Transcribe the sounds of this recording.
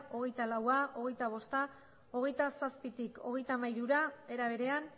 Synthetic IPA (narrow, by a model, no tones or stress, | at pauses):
o̞ɣe̞jt̪alawaʔo̞ɣ̞e̞jt̪aβo̞st̪a | o̞ɣe̞jt̪asaspit̪iko̞̰ɣe̞jt̪amajɾuɾae̞ɾaβ̞e̞ɾe̞an